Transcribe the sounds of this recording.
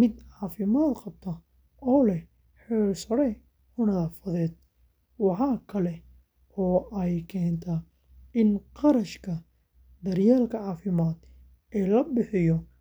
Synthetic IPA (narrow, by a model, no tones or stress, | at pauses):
mɪd̪ʕɑːfɪmaːd̪qɑbt̪ʰɐ | ɔːlɛ | ħɛːrsɐɽɛj | ʔʊnɐðaːfɐðɛːd̪̚ | wɑħɑːkʰɐlɛ | ɔːʔɛjkʰɛːnt̪ʰɐ | ɪnqɑɾɐʃkʰɐ | d̪ɐrjaːlkʰɐʕɑːfɪmaːd̪ | ɛːlɐbɪħɪjɔ